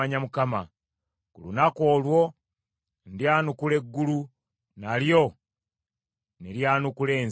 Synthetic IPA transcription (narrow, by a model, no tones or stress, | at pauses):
aɲamukama̰ | kulṵnako̞ːlwo̞ | ndjaːnukule̞ɡːulu | naljo̞ | neɾjaːnukuleːn